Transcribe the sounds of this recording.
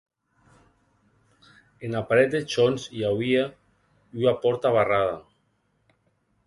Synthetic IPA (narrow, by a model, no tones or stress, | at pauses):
enapaɾɛt̪̚d̪et͡ʃonsiawia | yapɔɾt̪aβaraða